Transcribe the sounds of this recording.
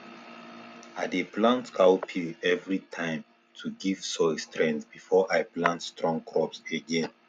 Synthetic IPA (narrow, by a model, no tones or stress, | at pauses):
adeplãntkʰawpʰiɛvɹitʰãɪ̃m | tʰuɡiv̥sɔɪstɹɛ̃ntb̥ifɔʔajplãntstɹɔ̃ŋkʰɹɔpseɡɛ̃n